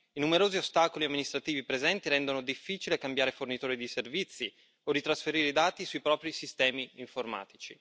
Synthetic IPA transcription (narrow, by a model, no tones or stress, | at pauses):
inumeɾoːziost̪aːkoliamːinist̪ɾat̪iːvipɾezɛnt̪iɾɛnd̪onod̪ifːiːt͡ʃilekambjaːɾefornit̪oːɾid̪iservit̪sːi | orit̪ɾasfeɾiːɾeid̪aːt̪isuipɾɔːpɾisist̪ɛːmiːɱforma̰ːt̪it͡ʃḭ